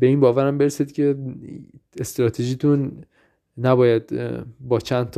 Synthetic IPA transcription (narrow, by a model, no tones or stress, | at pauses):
be̞iːnbɒːvæɾæmbe̞ɾesid̪̥cʰe̞ | est̪ɾɒːt̪ʰeʒiːt̪ʰunː | æbɒːjæd̪bɒːt͡ʃʰænt̪ʰː